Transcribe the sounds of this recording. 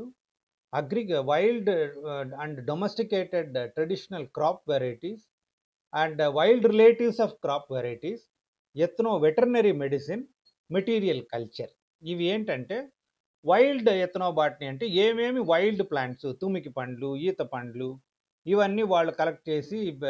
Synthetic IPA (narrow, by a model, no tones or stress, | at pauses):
ɐɡɾiɡʋɐjlɖ | ɐɳɖɖomesʈikeːʈeɖʈɾɐɖiʂɐnɐlkɾaːp̚ʋɛɾɐjiʈiːs | ɐɳɖʋɐjlɖɾileːʈiʋsaːfkɾaːpʋɛɾɐjʈis | et̪noːʋeʈɐɾnɐɾimeɖisin | meʈiːɾijɐlkɐlt͡ʃɐɾ | iʋieːɳʈɐɳʈe̞ː | ʋɐjlɖjɛt̪ɐnoːbaːʈniɐɳʈeːeːmeːmiʋɐjlɖplaːɳʈsut̪umikipɐɳɖluiːt̪ɐpɐɳɖlu | iʋɐnːiːʋaːɭːukɐlɐk̚ʈ̚t͡ʃe̞ːsi